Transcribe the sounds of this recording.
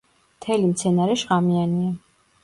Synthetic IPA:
mt̪ʰɛlimt̪sʰɛnaɾɛʃʁamiania

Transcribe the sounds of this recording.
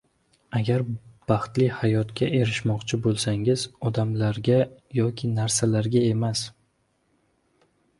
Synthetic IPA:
aɡʲaɾb̥ɑχt̪lɪhajɒt̪kʲaʔe̞ɾɪʃmɒqt͡ʃʰɪbolˠsaŋɪzɒd̪amlaɾɡʲajɒkʲʰɪnaɾsalaɾɡʲae̞mas

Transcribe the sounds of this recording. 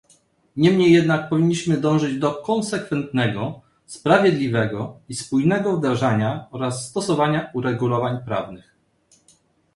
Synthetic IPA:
ɲɛmɲejːɛd̪nak̚pɔvʲiɲːiɕmɘd̪ɔ̃w̃ʐɘd͡ʑd̪ɔkɔnsɛkfɛnt̪nɛɡɔ | spɾavʲjɛd̪lʲivɛɡɔispujnɛɡɔvd̪ɾaʐaɲaɔɾasːt̪ɔsɔvaɲauɾɛɡulɔvaɲpɾa̰vnɘx

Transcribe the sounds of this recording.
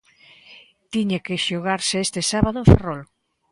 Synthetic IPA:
t̪iɲakeʃoɣ̞aɾseest̪esaβaðoẽɱfḛrol

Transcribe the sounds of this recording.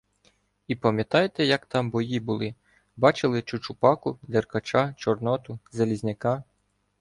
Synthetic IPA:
ipɐmʲjɐt̪ɑjt̪ɛjɐkt̪ɑmbɔjibʊlˠɪ | bɑt͡ʃɪlˠɪt͡ʃʊt͡ʃʊpɑkʊd̪erkɐt͡ʃɑt͡ʃɔrnɔt̪ʊzɐlʲizʲnʲɪkɑ

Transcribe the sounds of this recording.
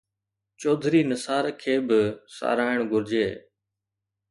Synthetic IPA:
t͡ʃoːd̪ʱɾiːnəsaːɾkʰeːbɪsa̰ːɾaːɪɳ̃ɡʊɾd͡ʒeː

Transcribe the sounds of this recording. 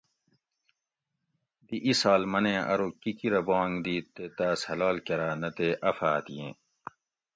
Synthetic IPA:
d̪iʔisaːlmɐnẽːʔɐ̰ɾokikiɾɐbõːŋɡd̪iːt̪ːet̪aːshɐlaːlkɐɾaːnɐt̪eːʔɐfaːt̪ijḛ̃ː

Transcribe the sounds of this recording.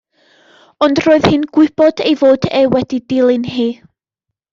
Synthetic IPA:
ɔndroːɨð̥hɨnɡ̥wɪb̥ɔdejvoːdewɛdidɪlˠɨnɦiː

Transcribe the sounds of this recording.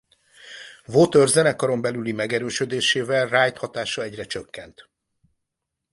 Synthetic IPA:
vot̪ørzɛnɛkɒɾo̞mbɛlylimɛɡɛɾøːʃød̪eːʃeːvɛlraːjt̪hɒt̪aːʃɒɛɟrɛt͡ʃøkːɛnt̪

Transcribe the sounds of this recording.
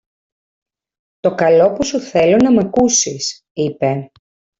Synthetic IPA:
t̪o̞kɐlo̞pusuθe̞lonɐmɐkusis | ipe̞

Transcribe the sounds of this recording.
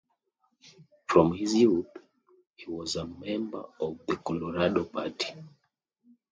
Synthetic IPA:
fɹɔ̃mhizjuθ | hiwɔzəmɛ̃mbə̰˞ɔvðəkɔlɔɹadopʰa̰tʰi̥

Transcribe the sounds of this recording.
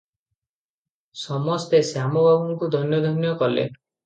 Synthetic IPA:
sɔmɔst̪esjamɔbʱabɔŋkud̪ʱɔnjɔd̪ʱɔnjɔkɔlḛ

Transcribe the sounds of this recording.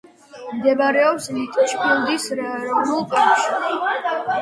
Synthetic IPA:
md̪ɛbaɾɛɔpslit̪ʼʃpʰilˠd̪isɾaɛɾɔvnulˠpʼɛʃi

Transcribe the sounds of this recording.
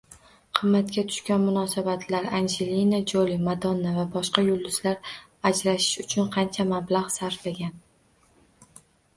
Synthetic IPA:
qʰɨmːat̪kʲat̪ʰʊ̥ʃkʲanmʊnɒsabat̪ʰlaɾand͡ʒelinad͡ʒolimad̪ɒnːavabɒʃqɑjʊlˠd̪ʊzlaɾ | ad͡ʒɾaʃɪ̥ʃʊt͡ʃʰʊnqʰɑnt͡ʃʰamablaʁsaɾflaɡʲan

